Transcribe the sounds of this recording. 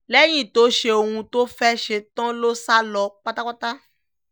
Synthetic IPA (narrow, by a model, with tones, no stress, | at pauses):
lɛ˦j̃ĩ˦˨to˨˦ʃe˦o˧hũ˧to˦fɛ˦ʃe˧tã˦lo˦sa˦lɔ˨˦k͡pa˦ta˦k͡pa˦ta˦